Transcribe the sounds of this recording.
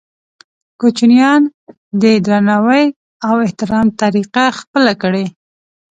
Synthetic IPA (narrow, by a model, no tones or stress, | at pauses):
kut͡ʃunjɑn | d̪əd̪ɾanawəj | awɪht̪ɪɾɑmt̪aɾiqaxpəlakəɽe